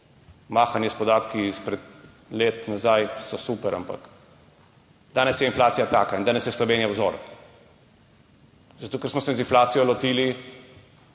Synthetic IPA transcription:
maːxanjɛspɔd̪aːt̪kiispɾɛt̪ | leːt̪nazajsɔsuːpɛɾa̰mpa̰k | d̪̥aːnɛsjɛinflaːt̪sijat̪aːkaind̪aːnɛsjɛslɔʋeːnjawzo̰ɾ | zat̪oːkɛɾsmɔsɛzinflaːt̪sijɔlɔt̪iːli

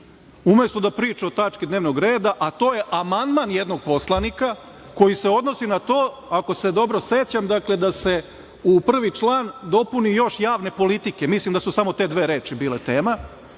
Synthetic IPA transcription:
ume̞st̪od̪apɾiːt͡ʃeo̞t̪at͡ʃkid̪ne̞ːʋno̞ɡɾeːd̪aʔat̪o̞ːje̞ʔamand̪manjed̪no̞ɡ̚po̞slˠanika | ko̞jise̞o̞d̪no̞sinat̪o̞ː | ako̞se̞d̪o̞bɾo̞se̞t͡ɕamd̪akle̞d̪ase̞ | upr̩ʋit͡ʃlˠaːnd̪o̞punijo̞ʃjaːʋne̞po̞lit̪ike̞mislˠimd̪asusamo̞t̪e̞ːd̪ʋe̞ːɾe̞ːt͡ʃibiːle̞t̪eːma

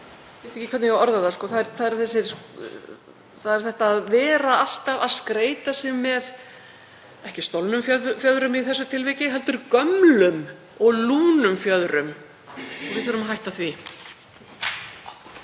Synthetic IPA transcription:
veːt̪ɛhcɪkʰvɛt̪nɪjɔɾðaðaskɔːθaðɛɾθaðɛɾ̥θɛsːɪɾ | θaðɛɾ̥θɛht̪aːðvɛːɾaal̥t̪avaðskɾeːjt̪asɪmːɛð | ɛhcɪst̪owlnʏmfjœfjœðɾʏmiθɛsːʏt̪ʰɪlvɪːcɪɦɛlt̪ʏɾkœmlʏm | ɔɣluːnʏmfjœðɾʏm | ɔvɪθʏɾʏmaɦajht̪aθvi

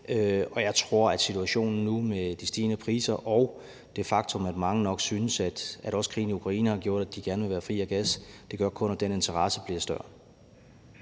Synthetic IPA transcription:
øɒ̽jɑ̈ɪt͡sʰʁo̝ɐ̰æd̥sit͡sʰuæɕo̝̰ːnn̩numed̥isd̥iːnəpʰʁḭːsɐʔɒʊ | d̥e̝fɑ̈ɡ̥̚t͡sʰɔ̽mæd̥mɑ̈ŋənɒ̽ɡ̥syːnəsæd̥æ̥ɒ̽skʰʁḭːn̩iukʰʁɑ̈ḭːnəhɑ̈ɡjo̝ɐ̰d̥æd̥iɡ̥æɐnəʋe̝ʋæːɐfʁḭːæɡ̥æsd̥e̝ɡ̥ɶɐkʰɔ̽næd̥ene̝nt͡sʰɐʁɑ̈səb̥liɐsd̥ɶɐ̰

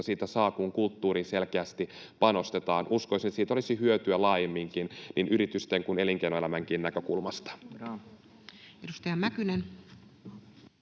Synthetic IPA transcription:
ɑsiːt̪æsɑːkuŋkult̪ːuːɾiːselkeæst̪i | pɑno̞st̪et̪ɑːnʔuskoisinet̪ːsiːt̪olisihyøt̪yælɑːjemːiŋkinnʔinʔyɾit̪yst̪eŋkuneliŋkeinoelæmæŋkiːnnækø̞kṵlmɑst̪ɑ̥ | edust̪ɑjɑmækynen

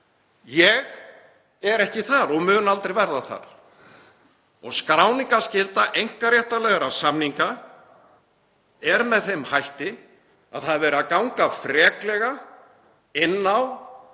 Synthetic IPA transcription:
jɛɣ | ɛɾɛhcɪθaɾɔɣmʏːnalt̪ɾejvɛɾðaθa̰ɾ̥ | ɔɣskɾaːwniŋkascɪlt̪aʔejŋ̥karjɛht̪alɛɣaɾasamniŋka | ɛɾmɛðθejmhajht̪ɪ | a̰ðθaðvɛːɾɪakawŋkafɾɛːklɛɣa | ɪnːaw

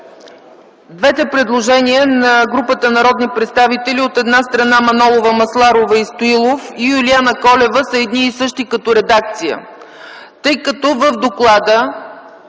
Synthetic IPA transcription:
d̪vɛt̪ɛpɾɛd̪lˠoʒɛniənɐɡɾupət̪ənɐɾɔd̪nipɾɛt̪st̪avit̪ɛliot̪ɛd̪nast̪ɾɐnamɐnɔlˠovəmɐslˠaɾovəist̪oilˠofijulianəkɔlɛvəsəɛd̪niːsɤʃt̪ikɐt̪ɔɾɛd̪ak̚t̪sijə̰ | t̪ɤjkɐt̪ɔvəvd̪oklˠad̪ə

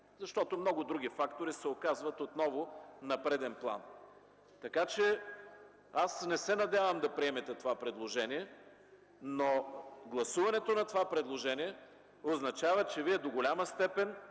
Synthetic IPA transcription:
zɐʃt̪ɔt̪omnɔɡʊd̪ɾuɡ̟ifakt̪oɾisɛokazvɐt̪ot̪nɔvʊnɐpɾɛd̪ɛnplˠa̰n | t̪ɐkat͡ʃɛ | asnɛsɛnɐd̪ʲavəmd̪ɐpɾiɛmɛt̪ɛt̪ovapɾɛd̪lˠoʒɛniɛ | noɡlˠɐsuvɐnɛt̪onɐt̪ovapɾɛd̪lˠoʒɛniɛ | oznɐt͡ʃavət͡ʃɛviɛd̪oɡolʲamɐst̪ɛpɛn

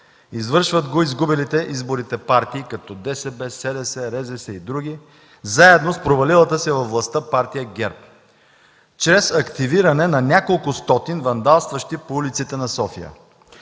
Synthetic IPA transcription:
izvɤɾʃvəd̪ɡoizɡubɛlit̪ɛʔizboɾit̪ɛpaɾt̪iːkɐt̪ɔd̪ɛsɛbɛsɛd̪ɛsɛɾɛzɛsɛid̪ɾuɡ̟ʲi | zaɛd̪nospɾovɐlilˠət̪əsɛvɐfvlˠɐst̪əpaɾt̪ijəɡʲɛɾp̚ | t͡ʃɾɛsɐkt̪iviɾɐnɛnɐnʲakolˠkʊst̪ɔt̪invɐnd̪alˠst̪vɐʃt̪ipoulit̪sit̪ɛnɐsɔfijə̰

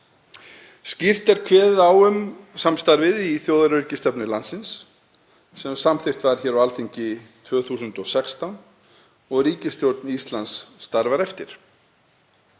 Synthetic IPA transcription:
scir̥t̪ɛɾkʰvɛːððawʏmsamst̪aɾvɪðiθjowðaɾʏɾcɪst̪ɛpnɪlansɪns | sɛmsamθɪxt̪vaɾ̥çɛːɾawalθiɲcɪt̪ʰvœːɣθuːsʏnt̪ɔɣsɛkst̪awn | ɔɣriːcɪst̪jowɾt̪nist̪lansːt̪aɾvaɾɛft̪ɪɾ̥

